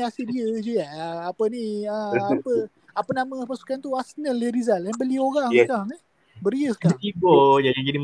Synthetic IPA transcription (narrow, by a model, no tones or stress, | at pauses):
asidiəd͡ʒujaapəniəapə | apənaməpasu̥kant̪uasnəlːəɾizalanbəlioɾaŋkaŋ | bəɾiəsə̥kaŋt̪ibɔd͡ʒaad͡ʒadim